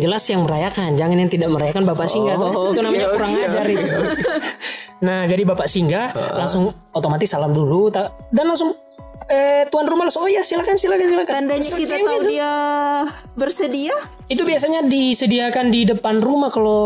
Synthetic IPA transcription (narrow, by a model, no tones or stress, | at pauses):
d͡ʒəlasjaŋməɾajakand͡ʒaŋanjaŋt̪idaʔməɾajakanbapaʔsiŋɡait̪unamaɲakuɾaŋad͡ʒaɾi | nahd͡ʒadibapaʔsiŋɡalaŋsʊŋ | ot̪omat̪ɪsːalamdulut̪a | danlaŋsʊŋ | ət̪uanrumalasʊŋojasilakansilakasilakadkit̪aadia | bərsədia | it̪ubias̬aɲadisədiakandidəpanrumahkalo